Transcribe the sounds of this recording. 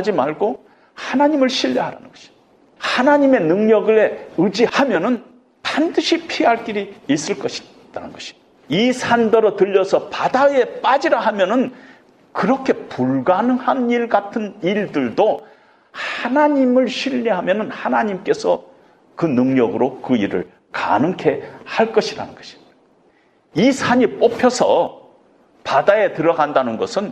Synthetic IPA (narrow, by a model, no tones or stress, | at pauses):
d͡ʑimaɭɡo | hanaɲimɯɭɕʰiʎːeɦaɾa̰nɯnɡ̥ʌɕʰi̥ | hanaɲime̞nɯŋɲʌɡɯɾeɯd͡ʑihamjʌnɯn | pandɯɕʰipʰiɦaɭk͈iɾiːs͈ɯɭk͈ʌɕʰi̥ | t͈anɯ̰nɡʌɕʰi̥ | isʰandʌɾʌtɯʎːʌsʰʌpadaje̞p͈ad͡ʑiɾaɦamjʌnɯn | kɯɾʌkʰe̞puɭɡanɯŋhaniɭɡatʰɯniɭdɯɭdo | hanaɲimɯɭɕʰiʎːiɦamjʌnɯnhanaɲimk͈e̞sʰʌ | kɯnɯŋɲʌɡɯɾokɯiɾɯ̰ɭ | ka̰nɯŋkʰe̞haɭk͈ʌɕʰiɾa̰nɯnɡ̥ʌɕʰi̥ | isʰaɲip͈opʰjʌsʰʌ | padae̞tɯɾʌɡandanɯnɡʌsʰɯn